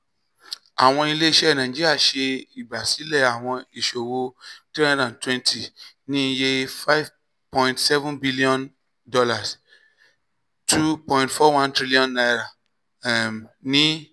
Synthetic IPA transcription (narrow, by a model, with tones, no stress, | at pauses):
a˨w̃ɔ̃˧i˧le˦i˦˨ʃɛ˦˨nã˨d͡ʒi˦ɾi˦a˦˨ʃe˧i˨ba˨si˨˦lɛ˦˨a˨w̃ɔ̃˧i˨ʃo˨wo˧tɾi˦ã˦dã˨n˨twɛ̃˦ntʰi˨ | nĩ˦˧je˦fa˦jv | pɔ̃˧ĩ˨ntsɛ˦vũ˦nbi˦li˦ɔ̃˦n | dɔ˧la˨s | tʰu˦pɔ̃˧ĩ˨ntfɔ˦wã˦ntɾi˦li˦ɔ̃˦nːa˧jɾa˨ | nĩ˦